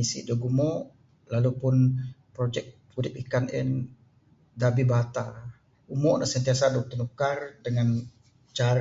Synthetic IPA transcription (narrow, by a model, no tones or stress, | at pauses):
isḭdoɡumɔʔ | lalupʊnpɾod͡ʒɛk̚pudɪp̚ikanɛ̰n | dabibat̪a | umɔʔnasənt̪iasadɔk̚t̪unukardəŋan | t͡ʃaɾ